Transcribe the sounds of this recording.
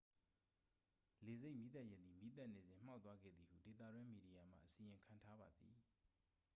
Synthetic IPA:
le˨ze˦ɪʔmi˦t̪a˦ʔjɛ˦d̪ði˨mi˦t̪a˦ʔne˨zɪ̃˨m̥a˦ʊt̪wa˦ɡɛ̰˦˨d̪ði˨hṵ˦˨de˨t̪̬a̰˦˨dwɪ̃˦mi˨di˨ja˨m̥a̰˦˨ʔəsi˨jɪ̃˨ŋkʰã˨ntʰa˦ba˨d̪ði˨

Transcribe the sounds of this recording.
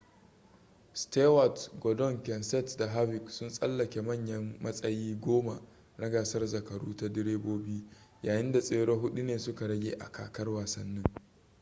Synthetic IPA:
ste˦wa˨tɡɔ˨dɔ˦˨ŋkʲɛ˨nsɛ˦tda˨ɦa˦bɪ˨ksʊ˦nsʼɐ˦lːɐ˨kʲe˨mɐ˦˨ɲjɐ˦mmɐ˦sʼɐ˦jiː˦ɡʷoː˦ma˨ | ɽɐ˦ɡaː˨sɐ˦rzɐ˨kɐ˨ɽuː˦ta˦dɪ˦ɽeː˦boː˦biː˦ | jaː˨jɪ˦nda˨sʼeː˦ɽo˦ɦʊ˦ɗu˦neː˨sʊ˦ka˨ɽɐ˦ɡʲḛː˨ʔa̰˨ka̰ː˨kɐ˦rwaː˨sɐ˦nːɪ˦ŋ

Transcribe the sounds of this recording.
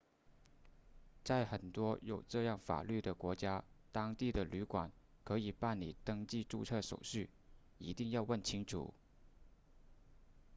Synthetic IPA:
t͡sa˥˩ɪxə˨˩nt̪wɔ˥jo˨˩ʊʈ͡ʂɤ˥˧jɑ˥˩ŋfa̰˨˩ly˥˩d̪ə˩kwɔ˧˥t͡ɕja˥t̪ɑ˥ŋt̪i˥˩d̪ə˩ly˧˥kwa̰˨˩˦n | kʰɤ˧˥i˨˩pa˥˩nli˨˩t̪ɤ˥ŋt͡ɕi˥˧ʈ͡ʂu˥˧t͡sʰɤ˥˩ʂo̰˨˩ʊɕy˥˩ | i˧˥t̪i˥˧ŋjɑ˥˧ʊwə˥˩nt͡ɕʰi˥ŋʈ͡ʂʰṵ˨˩˦

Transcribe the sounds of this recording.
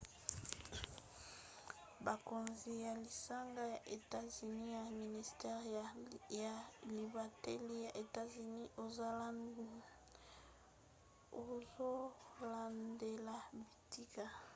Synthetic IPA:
ba˨ko˨nzi˨ja˨li˨sa˦ŋɡa˦ja˨ʔe˨ta˦zy˨ni˦ja˨mi˨ni˨stɛ˦ʁ | ja˨li˨ba˨tɛ˦li˦ja˨ʔe˨ta˦zy˨ni˦ʔo˨za˦la˦ndu˦ | o˨zo˦la˨nde˨la˨bi˨ti˦ka˨

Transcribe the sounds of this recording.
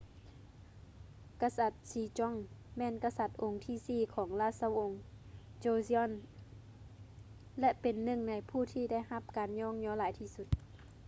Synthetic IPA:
ka˧sa˧˩t̪̚siː˧˦t͡ɕɔ˧˥˨ŋmɛː˧˥˨nka˧sa˧˩t̪̚ʔo˨˧˦ŋt̪ʰiː˧˥˨siː˧˩kʰɔː˩˦ŋlaː˧˩˨sa˧˨wʔo˧ŋ | t͡ɕoː˧si˧ɔ˧˨n | lɛ˧ʔpe˨˩nːɯ˧˩˨ŋna˨˦jpʰuː˧˩t̪ʰiː˧da˥˩˨jha˧p̚kaː˨nɲɔː˧˥˨ŋɲɔː˧˦laː˨˦jt̪ʰiː˧˩˨su˧˦t̪̚

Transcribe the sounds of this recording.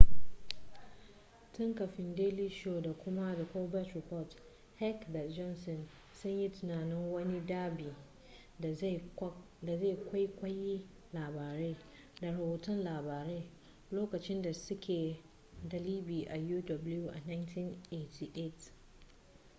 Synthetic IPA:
tʊ˦ŋkɐ˨ɸɪ˦ndeː˦li˦ʃo˨da˨kʷʊ˦ma˦da˨kʷoː˦bɛ˦tɾɪ˨pɔ˦˨t | hɛ˦kda˨d͡ʒɔ˦nsɔ˨n | sʊ˦ɲji˦tʊ˨naː˨nɪ˦ŋwɐ˦ni˦daː˦biː˨ | da˨ze˦˨kʷa˦jkʷɐ˦ji˦ | laː˨baː˨ɾeː˦ | da˨ɽɐ˨boː˨tɔ˦nlaː˨baː˨ɾeː˦ | loː˦kɐ˨t͡ʃɪ˦nda˨sʊ˦kʰʲeː˨ | dɐ˨liː˦biː˨ʔa˨juː˦dɔ˨bʊ˦lju˦ʔa˨na˦jntʰi˦nʔe˦tʰi˨ʔe˦˨t

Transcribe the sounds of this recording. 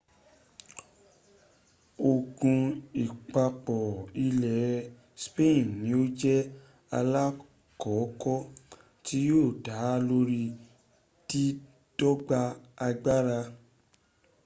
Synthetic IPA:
o˨ɡũ˧i˨k͡pa˧k͡pɔ˨i˧lɛ˨ | spẽ˦ĩ˨nĩ˨˦o˦d͡ʒɛ˦ | a̰˧la˦ | kɔ˨˦kɔ˦ | ti˦joː˦˨da˨˦lo˦ɾi˧ | ti˦ | dɔ˦ɡ͡ba˧a˧ɡ͡ba˦ɾa˧

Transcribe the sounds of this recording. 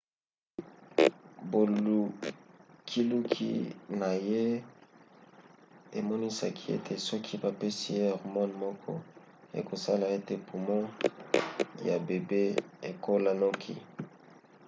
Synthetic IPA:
bo˨lu˨ | kʰi˦lu˦kʰḭ˦na˨je˦ | e˨mɔ˦ni˦sa˨kʰi˦ḛ˦tʰe˨sɔ˦kʰi˦ba˨pe˦si˦˨je˦ɔ˨ʁmɔ˦nmɔ˦kʰɔ̰˦ | ḛ˨ko˨sa˦la˨e˦te˨pʰu˨mɔ˦ | ja˨be˨be˦e˨ko˦la˦nɔ˦kʰḭ˨

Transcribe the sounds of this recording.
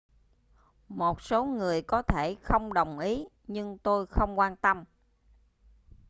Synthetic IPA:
mo˨˩t̚so˨˦ŋɨ˨˩əjkɔ˨˦t̪ʰe˧˩xə˧wŋ͡mɗə˨˩wŋ͡mʔi˨˦ | ɲɨ˧ŋt̪o˧jxə˧wŋ͡mkwaː˧nt̪ə˧m

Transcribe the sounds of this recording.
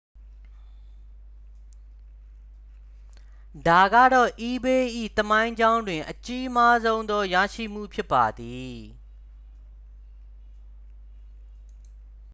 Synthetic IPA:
da˨ɡä̰˦˨dɔ˦˨ʔi˦be˦ʔḭ˦˨t̪əmã˦ɪ̃ɲd͡ʑã˦ʊ̃ndwɪ̃˨ʔət͡ɕi˦ʔma˦zõ˦ʊ̃nd̪ɔ˦ja̰˦˨ʃḭ˦˨m̥ṵ˦˨pʰjɪ˦pːa˨d̪i˨

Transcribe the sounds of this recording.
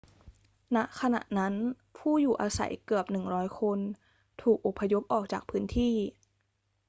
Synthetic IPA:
na˦˥ʔkʰa˧na̰˨˩ʔna˦˥n | pʰuː˥˩juː˨˩ʔaː˧sa̰˩˦jkɯ˨˩əp̚nɯ˨˩ŋɾɔː˦˥jkʰo˧n | t̪ʰuː˨˩k̚ʔo˨˩pʰːa˧jo˦˥p̚ʔɔː˨˩k̚t͡ɕaː˨˩k̚pʰɯː˦˥nt̪ʰiː˥˩

